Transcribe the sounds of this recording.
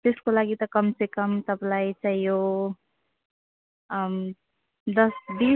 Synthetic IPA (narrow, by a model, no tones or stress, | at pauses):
t̪eskolaɡit̪ʌkʌmsekəmt̪ʌblait͡ʃaijo | d̪ʌsbi